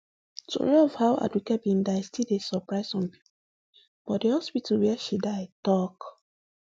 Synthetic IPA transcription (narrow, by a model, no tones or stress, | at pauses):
tʰo̰novhaʊa̰dwikɛbĩndaɪstidesɔpɹaɪsɔ̃npi̥po | b̥ɔt̚dehɔspitʰalwiɛʃidaɪtɔk